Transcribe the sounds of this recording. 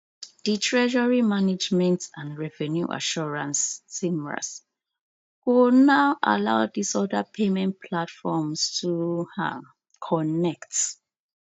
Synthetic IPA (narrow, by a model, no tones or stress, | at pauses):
d̥itʰɹɛʒəɹimanɪd͡ʒmɛ̃ntãndɹɛvɛnjṵʔa̰ʃɔɹãnsːimɹa̰s | wunaʊʔa̰la̰ʊdisɔdapʰemɛ̃ntpʰlatfɔmstʰua | kʰɔnɛkt